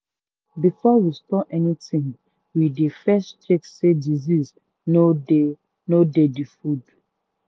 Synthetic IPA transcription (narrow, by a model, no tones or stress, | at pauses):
bifɔwistɔʔɛnitĩŋ | widefɛstt͡ʃeksediziz | no | nodedifud